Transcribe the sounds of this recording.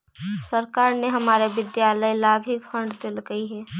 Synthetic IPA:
səɾkaːɾneɦɐmaːɾeʋɪd̪jaːləjlaːbʱifʰə̃ɳɖd̪elɡəiɦɛː

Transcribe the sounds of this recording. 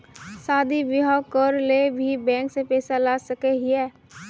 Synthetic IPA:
saːd̪ʱibɪɦakɔɾlebʱibɛ̃ːŋksepɛːsalaːsəkeɦiɛː

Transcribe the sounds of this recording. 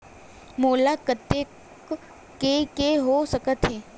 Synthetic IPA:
moːlakət̪ːe | k | kekeɦosəkət̪ɦeː

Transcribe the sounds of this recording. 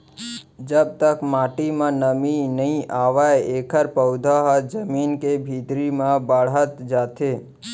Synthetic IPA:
d͡ʒəb̚t̪əkmaʈimãnəminəɦĩʔaʋaeekʰəɾpəwd̪ʱaɦəd͡ʒəminkebʱid̪ɾimãbəɽət̪d͡ʒat̪e

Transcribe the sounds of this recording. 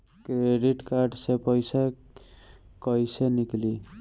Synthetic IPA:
kreɖiʈkarɖsepʌjsa | kʌjsenikli

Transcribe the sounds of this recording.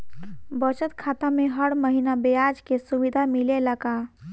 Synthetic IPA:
bət͡ʃət̪kʰaːt̪amẽɦəɽməɦinabejad͡ʒkesuʋid̪ʱamileləka

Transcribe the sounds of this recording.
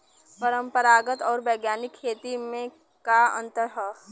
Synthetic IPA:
pəɾə̃mpəɾaːɡət̪ɔːɾbɛːɡjaːnɪkʰːeːt̪imẽ | kaə̰̃nt̪əɾɦə

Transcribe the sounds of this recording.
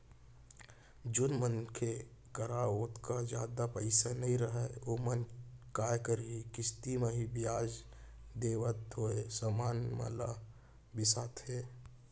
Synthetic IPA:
d͡ʒʊnmənkʰe | kəɾaoːt̪kad͡ʒaːd̪apəɪsanəĩɾəɦɛomənkaːjkəɾɦikɪst̪imeɦibijaːd͡ʒ | d̪eːwət̪̚ɦoesəmaːnmə̰̃la̰ | bɪsat̪ɦe

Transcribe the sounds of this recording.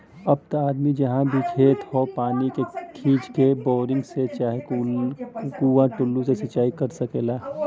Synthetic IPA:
ɐb̚t̪aːd̪mid͡ʒɐɦãbʱikʰeːt̪hoːpaːnikekʰiːd͡ʒkeboːɾɪ̃ŋɡset͡ʃaːɦeku | kuãʈʊlːũsesɐt͡ʃaːikɐɾsəkeːlaː

